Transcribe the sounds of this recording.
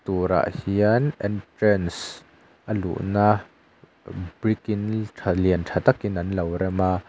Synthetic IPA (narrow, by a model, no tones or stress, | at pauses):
t̪uːɾa̰ʔhiənʔɛntɾɛns | ʔəlṵʔna | b̥ɾikintʰaliəntʰat̪ɐkinɐnlɐwɾɛma